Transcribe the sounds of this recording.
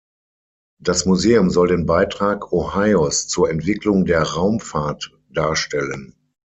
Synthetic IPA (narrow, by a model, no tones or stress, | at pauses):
d̥asmuzeːʊmzɔldeːnbaɪtʁ̥aːkʰohaɪɔst͡suːɐɛntv̥ɪklʊŋdeːɐʁaʊmfaɐt | d̥aːɐʃtɛlən